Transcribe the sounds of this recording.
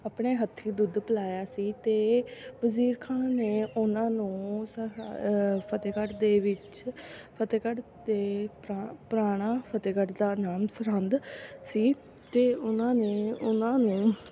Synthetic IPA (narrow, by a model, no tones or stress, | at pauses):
aːpɳeːɦət̪ʰːiːd̪ʊd̪pəlaːjaːsiːt̪eːbəziːɾkʰãːnneːʊnãːnũːs | pʰət̪eːkəʈd̪eːʋɪt͡ʃpʰət̪eːkəʈ | d̪eː | pɾaːɽ̃aːpʰət̪eːkəʈd̪aːnaːmsəɾənd̪siː | t̪eːʊnãːneːʊnãːnũː